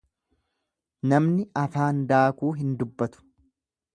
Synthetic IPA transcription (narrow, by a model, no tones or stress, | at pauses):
nɐmnɪʔɐfaːnd̪aːkuːɦɪnd̪ʊbːɐt̪ʊ̥